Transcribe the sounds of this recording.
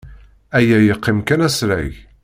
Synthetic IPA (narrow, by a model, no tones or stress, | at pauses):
æjæjəqːimkænæsɾæ̰j